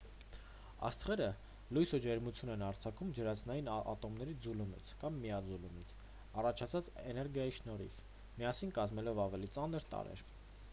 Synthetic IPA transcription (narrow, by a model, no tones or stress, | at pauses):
ɑ̰st̪χɛɾə | lujsud͡ʒɛɾmut͡sʰjunɛnɑɾt͡sʰɑkʰumd͡ʒəɾɑt͡sʰnɑjinɑ̰t̪ɔmnɛɾid͡zulumḭt͡sʰkɑmːijɑd͡zulumit͡sʰ | ɑrɑt͡ʃʰɑt͡sʰɑt͡sɛnɛɾɡjɑjiʃnɔɾḭf | mijɑsinkɑzmɛlɔvɑvɛlit͡sɑnəɾt̪ɑ̰ɾɛ̰ɾ